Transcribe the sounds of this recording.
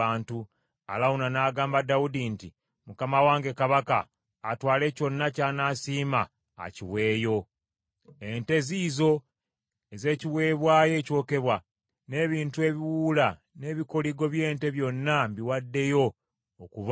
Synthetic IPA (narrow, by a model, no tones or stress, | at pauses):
aːntu | a̰lawunanaːɡaːmbadaudinti | mukamawaːŋɡe̞kaβaka̰ː | twaːle̞co̞nːacaːnaːsiːma̰ː | ciwe̞ːjo̞ | e̞nte̞ziːzo̞ | eze̞ːciwe̞ːβwaːje̞ːco̞ːke̞βwa | ne̞ːβiːntue̞βiwuːla | ne̞ːβiko̞liɡo̞βje̞ːnte̞βjo̞nːambiwadːe̞jo̞ː | kuβ